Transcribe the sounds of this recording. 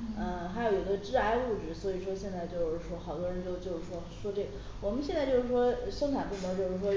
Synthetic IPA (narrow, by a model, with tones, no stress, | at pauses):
ə˥˧xa˧˥ɪjo˧˥ʊjo˨˧˩d̪ə˧ʈ͡ʂɻ̩˥˧a˥ɪu˥˩ʈ͡ʂɻ̩˥˩swɔ˧˥i˨˩ʂwɔ˥ɕjɛ˥˧nt͡sa˥˧ɪt͡ɕjo˥˧ʊʂɻ̩˥˩ʂwɔ˥xɑ˨˩ʊt̪ɔ˧˥˧ɻə˧˥nt͡ɕo˥˧ʊt͡ɕjo˥˧ʊʂ̩˥˩ʂwɔ˥ʂwɔ˥ʈ͡ʂe˥˩ɡə˨˩ | wɔ˨˩mə˦nɕjɛ˥˧nt͡sa˥˧ɪt͡ɕjo˥˧ʊʂɻ̩˥˩ʂwɔ˥˧ʂo˥k̪ʰa˨˩npu˥˩mɔ˧˥t͡ɕjo˥˧ʊʂɻ̩˥˩ʂwɔ˥